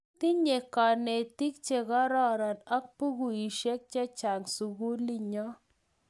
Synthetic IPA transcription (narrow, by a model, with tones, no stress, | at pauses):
t̪i˦ɲe˨kɔ˨ne˨t̪i˦k̚t͡ʃe˨ɣɔ˦ɾɔ˦ɾa˨na˦k̚pu˦ɣu˨i˨ʃe˦k̚t͡ʃɛ˦t͡ʃa˨ŋsu˨ɣu˦li˦ɲɔ˦